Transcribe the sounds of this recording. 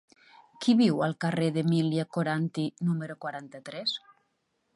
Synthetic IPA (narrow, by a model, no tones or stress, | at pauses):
kiβiwəlˠkareðemiljakoɾant̪inuməɾokwaɾant̪ət̪ɾɛs